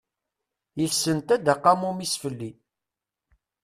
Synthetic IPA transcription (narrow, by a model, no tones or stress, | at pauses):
jəθsənt̪æd̪aqːamumisfəlːi